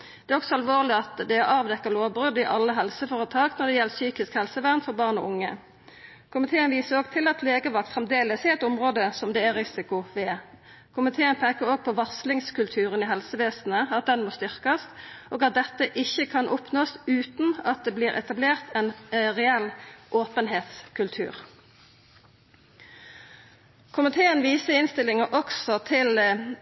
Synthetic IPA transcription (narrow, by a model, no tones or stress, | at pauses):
d̪̥ɛæːɔksɔɑlʋoːʁlɪɑt̪d̪ɛæɾɑːʋd̪ɛkːəʁloːʋbʁʉd̪ɪʔɑlːəɦɛlsəfoːʁət̪ʰɑːɡnɔʁd̪ɛjɛlːəsyːkɪskhɛlsəʋæʁnfɔʁbɑːʁnɔ̰ːʊŋːə̰ | kʰʊmɪt̪ʰeːənʋiːsəɾoːɡ̚t̪ʰɪlɑt̪leːɡəʋɑk̚t̪fʁɛmd̪eːləsɪɛɪt̪ʊmʁoːd̪əsɔmd̪ɛæɾɪsɪkʊʋɛ | kʰʊmɪt̪ʰeːənpʰɛkəɾoːɡ̚pʰɔʋɑslɪŋskʉlt̪ʰʉːʁənɪɦɛlsəʋeːsn̩əɑt̪̚d̪ɛnmoːst̪ʏʁkəst̪ʔoːɡɑt̪̚d̪ɛt̪ːəʔɪçəkʰɑnʔɔpnoːsʉːt̪nɑt̪̚d̪eːbliːʁʔɛ̰t̪ɑbleːʁt̪ʰɛnʁɛɛlʔoːpənɦeːt̪skʰʉlt̪ʰʉ̰ːʁ | kʰʊmɪt̪ʰeːənʋiːsəɪnst̪ɪlɪŋəʔɔksɔt̪ʰɪl